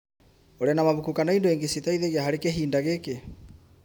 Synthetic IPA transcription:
oɾɛnamaβukukanɔindoeŋɡesitaiðeɣiaɦaɾekeɦiːndaɣeke

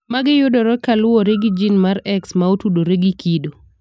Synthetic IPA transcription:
maɡɪjʊdɔɾɔkalʊwɔɾeɡɪd͡ʒinmaɾɛksmaotudoɾeɡikido

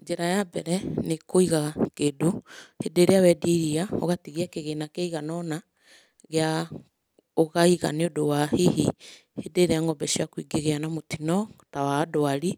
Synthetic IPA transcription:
ɲd͡ʒeɾajabɛɾɛnekoiɣakedohedeɾeawɛdeiɾiao̰ɣatiɣiakeɣenakeiɣanɔna | ɣea | oɣaiɣa̰neodowahehi | hedeɾeaŋɔbɛʃiakowiɡeɣeanamotinɔtawaːdoaɾi

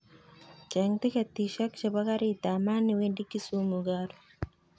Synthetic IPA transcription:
t͡ʃɛŋt̪ikat̪ːiʃakt͡ʃabakaɾit̪amanːiwindikːisumuɡaɾ

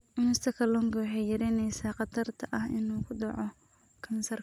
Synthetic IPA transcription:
ʔɪnʊst̪ʰɐkʰɐlɔːŋkʰɐwɑħɑjjɐɾɛnɛjsaːqɑt̪ʰɐrt̪ʰɐʔɐhɪ̰nuːkʰʊɖɑʕɔ | kʰɐmɪsɐrk

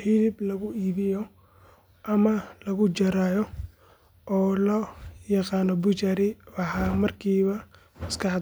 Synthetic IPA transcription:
hɪlɪblɐɣʊiːβɪjɔ | ʔɐmɐlɐɣʊt͡ʃɐɾaːjɔ | ʔɔːlɐjɑqɑːnɔbʊt͡ʃɐɾɪɑħaːmɐrkʰiːβɐ | mɐskɑħd̪

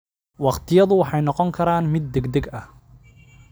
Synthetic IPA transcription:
wɑqt̪ʰɪjɐðʊwɑħɑjnɔqɔŋkʰɐɾaːnmɪd̪̚ːɛɡd̪ɛɡɐh

